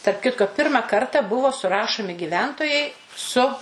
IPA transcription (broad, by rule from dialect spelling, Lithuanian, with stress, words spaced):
tɐrp ˈkʲɪtkoː ˈpʲɪrmɐ ˈkɐrtɐ ˈbʊʋoː sʊˈrɑːʃoːmʲɪ ɡʲɪˈʋʲɛntoːjɛɪ sʊ